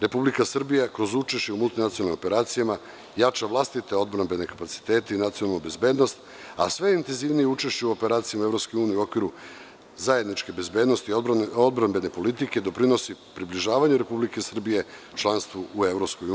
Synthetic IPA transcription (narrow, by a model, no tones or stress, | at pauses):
ɾe̞publikasr̩bijakɾo̞zut͡ʃeʃt͡ɕeumult̪inat̪sionalnimo̞pe̞ɾaːt̪sijama | jat͡ʃaʋlˠast̪it̪eo̞d̪bɾambe̞ne̞kapat̪si̥t̪e̞ːt̪einat̪sionalnube̞zbe̞ːd̪no̞st̪ | a̰sʋe̞int̪enziʋnijeut͡ʃe̞ʃt͡ɕeuo̞peɾaːt̪sijamueɾo̞pskojuːnijeuo̞kʋiɾu | zaje̞d̪nit͡ʃke̞be̞zbe̞ːd̪no̞st̪iod̪bɾambe̞ne̞po̞lit̪̬ike̞d̪o̞pɾino̞sipɾibliʒaːʋaɲuɾe̞publike̞sr̩bije̞t͡ʃlˠanst̪ʋuʔue̞vɾopskouː